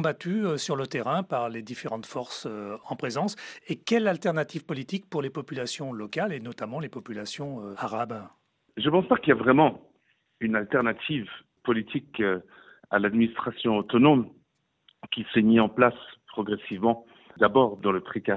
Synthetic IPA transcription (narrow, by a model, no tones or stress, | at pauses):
bat̪yøsyʁlət̪eʁɛ̃paʁled̪ifeʁɑ̃t̪fɔʁsøɑ̃pχezɑ̃sekʲɛlalt̪ɛʁnat̪iv̥pɔlit̪ik̚puʁlepɔpylasjɔ̃lɔkalenɔt̪amɑ̃lepɔpylasjɔ̃øaʁab | ʒəpɑ̃spakiljavʁɛmɑ̃ | ynalt̪ɛʁnat̪ʰiv | pɔlit̪ʰik | a̰lad̪minist̪χasjɔ̃ot̪ɔnom | kʲisɛmiɑ̃plaspχɔɡʁɛsivmɑ̃ | d̪abɔʁd̪ɑ̃ləpχika